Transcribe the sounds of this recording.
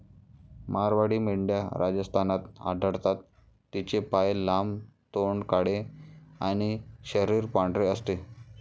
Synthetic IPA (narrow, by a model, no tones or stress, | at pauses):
maɾʋaɽiːmiɽɖjaɾad͡ʑəst̪ʰanat̪a̰dʱəɾt̪at̪ː | it͡ɕepajlamt̪oɳɖkaɽeaɽ̃iɕəɾiːɾpaɳɖɾeəst̪e